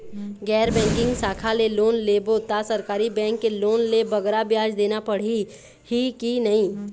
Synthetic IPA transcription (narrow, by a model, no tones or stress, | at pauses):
ɡɛːɾbɛ̃ːŋkɪ̃ŋɡsaːkʰaleloːnlebot̪asəɾkaːɾibɛ̃ːŋkːeloːnlebəɡɾabjaːd͡ʒd̪eːnapəɽ̤i | hikinɐɦĩː